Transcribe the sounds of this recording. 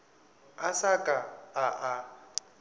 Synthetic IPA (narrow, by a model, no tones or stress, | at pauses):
asakʼaaʔa